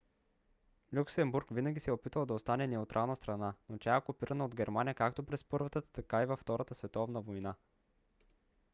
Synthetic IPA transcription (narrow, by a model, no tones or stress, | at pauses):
lʲuksɛmbuɾkvinɐɡʲisɛopit̪vəlˠd̪ɐost̪anɛnɛut̪ɾʔalˠnəst̪ɾɐnanot̪ʲaɛkopiɾʔənəod̪ɡʲɛɾmanijəkakt̪opɾɛspɤɾvət̪ət̪ɐkaivɐft̪ɔɾʔət̪əsvɛt̪ɔvnəvojna